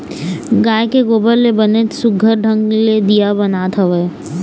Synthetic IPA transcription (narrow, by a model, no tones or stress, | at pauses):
ɡaːjekeɡoːbəɾlebənet̪sʊɡʱəɾɖʱə̃ŋɡled̪ijabɐnaːt̪ʰɐʋeː